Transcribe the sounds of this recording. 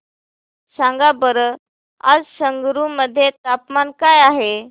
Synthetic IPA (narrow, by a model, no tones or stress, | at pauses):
sãŋɡabəɾə | a̰d͡zsəŋɡɾuməd̪ʱːjet̪apmankajaɦe